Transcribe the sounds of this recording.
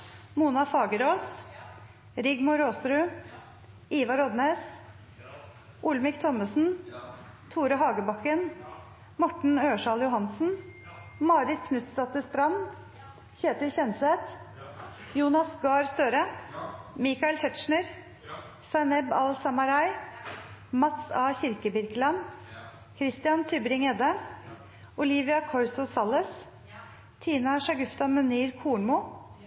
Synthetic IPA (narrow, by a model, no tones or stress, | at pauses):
muːnɑfɑːɡəɾoːs | ɾɪɡmʊɾoːsɾʉː | iːʋɑɾɔd̪neːs | ʔʊlmɪkt̪ʰɔməsn̩ | t̪ʰuːɾəɦɑːɡəbɑkən | mɔʈɳ̩øːʂɑːljʊɦɑnsn̩mɑːɾɪt̪kʰnʉt̪st̪ɑt̪əst̪ɾɑnː | çeːt̪əɾçɛnsɛt̪ | juːnɑsɡɑːɾst̪øːɾə | mɪkɑɪlt̪ʰɛt̪ʃɳəɾ | sɑnɛbɑ̰lsɑmɑɾɑɪ | mɑt̪sɑːçɪɾkəbɪɾklɑn | kʰɾɪst̪ɪɑnt̪ʰʏbɾɪŋɛːd̪ə | ʊliːʋɪɑkʰɔɾsʊsɑləs | t̪ʰiːnɑʃɑɡʉft̪ɑmʉniːɾkʰuːɳmuː